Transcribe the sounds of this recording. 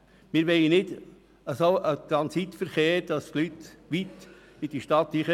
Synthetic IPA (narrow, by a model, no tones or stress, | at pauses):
mɪɾʋɛɪənɪd̪ | əsoʔət̪ɾɑnsit̪fəɾχeːɾd̪̥ɑst̪lyt̪ʋit̪ | ɪd̥iʃtɑt̪iχə